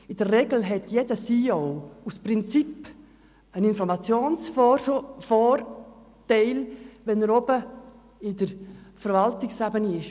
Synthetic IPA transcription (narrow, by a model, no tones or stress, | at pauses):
ɪdərːɛɡl̩ɦɛtjedəsiːɔwuspɾɪnt͡sip | ənɪnfɔɾmat͡sjoːnsffɔɾ | tɛɪlvɛnəɾɔbə | ɪdəɾfəɾvaltɪksabəniɪʃ